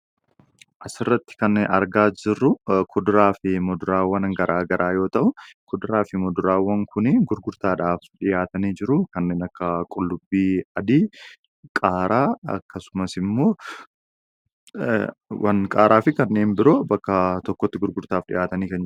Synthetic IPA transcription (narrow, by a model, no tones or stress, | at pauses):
ʔɐsɪrːɐt̪ːɪ̥kɐnːeːnɐ̰ɾɡaːd͡ʒɪrːʊkʰʊd̪ʊɾaːfɪmɔd̪ʊɾaːwːɐnŋɡɐɾʔaːɡɐɾʔaːjo̞ːt̪ɐʔʊkʊd̪ʊɾaːfɪmɔd̪ʊɾaːwɐŋkʊnɪɡʊɾɡʊɾt̪aːᶑaːfᶑɪjaːt̪ɐniːd͡ʒɪɾʊkɐnːe̞ːnɐkːɐkʼʊlːʊbːiːɐd̪iː | kʼaːɾaːɐ̰kːɐsʊmɐsɪmːo̞ː | wʔɐ̰nkʼaːɾaːfɪkɐnːe̞ːnbɪɾoːbɐkːɐt̪ɔkːɔt̪ːɪɡʊɾɡʊɾt̪aːfᶑɪ̰jaːt̪ɐniːkɐnd͡ʒ